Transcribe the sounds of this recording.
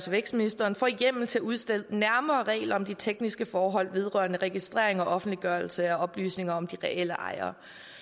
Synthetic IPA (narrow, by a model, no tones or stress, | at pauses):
sʋeɡ̥sminisd̥ɐːnfɒ̰ːiɡ̥em̰l̩t͡sʰe̝uð̞ˠsd̥el̰næɐmɐːʁɛ̰ːlɐɒ̽md̥it͡sʰeɡ̥nisɡ̥əfɒːɦɒ̽l̰ʋe̝ð̞ˠʁɶɐnəʁɛɡ̥isd̥ʁḛɐ̰e̝ŋɒ̽ʔɒ̽fn̩d̥liɡ̥ɶɐl̩səæɒ̽b̥ly̰ːsne̝ŋɐɒ̽md̥iʁɛʔel̰əʔɑ̈ɪɐ̰ː